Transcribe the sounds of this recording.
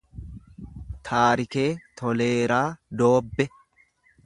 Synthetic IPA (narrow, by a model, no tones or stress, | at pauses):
t̪ʰaːɾɪke̞ːt̪ɔle̞ːɾaːd̪o̞ːbːɛ